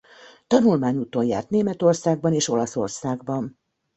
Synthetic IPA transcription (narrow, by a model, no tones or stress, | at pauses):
t̪ɒnulmaːɲuːt̪ojja̰ːrt̪neːmɛt̪o̞rsaːɡ̚bɒneːʃo̞lɒso̞̰rsaːɡbɒn